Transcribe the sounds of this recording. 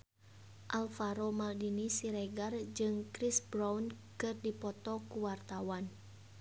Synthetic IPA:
ʔalfaɾomaldinisiɾɛɡard͡ʒɨŋkɾisbɾawnkɨrdipɔt̪ɔkuwart̪awan

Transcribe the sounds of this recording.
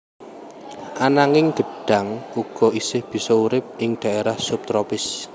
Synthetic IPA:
ʔanaŋɪŋɡ̥ə̤ɖ̥a̤ŋuɡ̥ɔ̤isɪhb̥i̤sɔuɾɪp̚ɪŋɖ̪̥a̤eɾahsʊp̚t̪ɾɔpɪs

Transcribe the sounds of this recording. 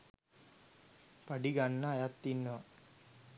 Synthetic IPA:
pɐɖiɡanːɐːjat̪ːinːɐ

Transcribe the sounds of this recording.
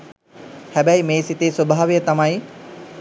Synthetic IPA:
hæbæjmeːsit̪eːswobaːʋejət̪amɐj

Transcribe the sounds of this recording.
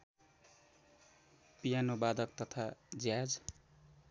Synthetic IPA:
pijanobad̪ʌk̚t̪ʌt̪ʰad͡zjad͡z

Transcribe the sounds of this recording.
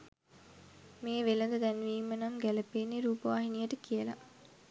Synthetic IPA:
meːʋeləd̪əd̪ænʋiːmːənaŋɡæləpenːeɾuːpəʋaːɦinijəʈəkijəla̰

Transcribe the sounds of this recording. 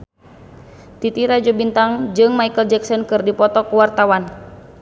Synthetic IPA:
t̪it̪iɾad͡ʒɔbint̪aŋd͡ʒɨŋmaikəld͡ʒɛksɔnkɨrdipɔt̪ɔkuwart̪awan

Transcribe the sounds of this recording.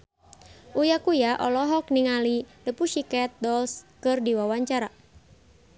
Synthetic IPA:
ʔujakujaʔɔlɔɦɔk̚niŋalidəpuʃikɛt̪̚dɔlskɨrdiwawaɲt͡ʃaɾa

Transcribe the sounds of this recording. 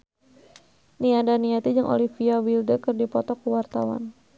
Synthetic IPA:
niadaniat̪id͡ʒəŋʔo̰lifiawildəkərdipɔt̪ɔkəwart̪a̰wa̰n

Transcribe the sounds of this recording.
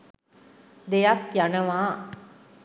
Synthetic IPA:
d̪ejapjanɐʋaː

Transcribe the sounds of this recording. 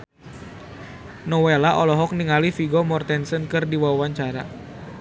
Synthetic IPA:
nɔwelaʔɔlɔɦɔk̚niŋalifiɡɔmɔrt̪ɛnsənkɨrdiwawaɲt͡ʃaɾa

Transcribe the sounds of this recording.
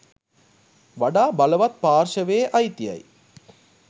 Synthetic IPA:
ʋɐɽaːbɐlɐʋɐt̪̚paːɾʂɐʋeːʔɐjt̪ːɪjɐ̰j

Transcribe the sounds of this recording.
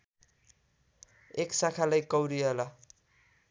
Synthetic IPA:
eksakʰalajkʌwɾiʌlʌ

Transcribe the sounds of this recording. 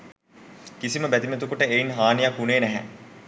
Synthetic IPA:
kisiməbæt̪imet̪̬ukuʈəeinɦaːnijakːuneːnæɦæ̰

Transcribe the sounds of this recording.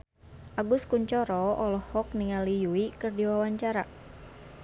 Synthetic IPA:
ʔaɡʊskuɲt͡ʃɔɾɔɔlɔhɔk̚niŋalijuikɨrdiwawaɲt͡ʃaɾa

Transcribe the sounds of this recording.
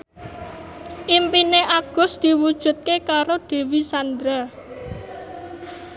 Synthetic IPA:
ʔimpineʔaɡ̥ʊ̤sd̪̥i̤wud̥ʒ̥ṳt̪̚kekaɾoɖ̪̥e̤wisand̪ɾa

